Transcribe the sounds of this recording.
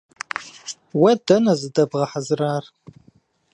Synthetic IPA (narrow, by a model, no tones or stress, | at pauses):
wɐdɐnɐzɨdɐbʁɐħazraːr